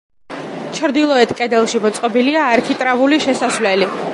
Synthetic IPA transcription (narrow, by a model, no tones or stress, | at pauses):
t͡ʃʰɾd̪ilˠɔɛt̪ʰkʼɛd̪ɛlˠʃimɔt̪sʼqʼɔbiliaːɾkʰit̪ʼɾavuliʃɛsaswlɛli